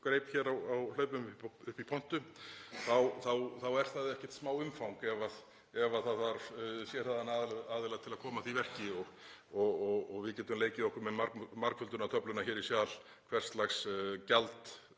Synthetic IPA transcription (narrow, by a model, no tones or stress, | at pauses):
kɾeːjpçɛːɾawawlœːɥpʏmʏʏhpipʰɔn̥t̪ʏθawθawθawɛɾ̥θaðɪɛhcɛ̥ɾ̥t̪smaːwʏmfawŋkɛvað | ɛvaθaðvaɾsjɛɾ̥haðanaðaːðɪlaɣt̪ʰɪlaðkʰɔːmaθivɛr̥cɪɔɣɔɣɔɣɔɣvɪðcɛːt̪ʏmleːjcɪðɔhkʏɾmɛmaɾkmaɾkfʏlt̪ʏnat̪ʰœplʏnaçɛːɾisjaːl̥ | kʰvɛr̥st̪laxscalt̪